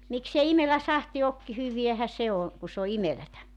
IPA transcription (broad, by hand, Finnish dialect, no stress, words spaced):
miksei imelæ sɑhti ok hyʋiæhæ se o ku s o imelætæ